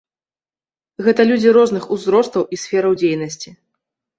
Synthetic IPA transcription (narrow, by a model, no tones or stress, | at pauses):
ɣɛt̪ɐlʲud͡zʲiɾɔznɨxuzɾɔst̪ɐwʔisʲfʲɛɾɐwd͡zʲejnɐsʲt͡sʲi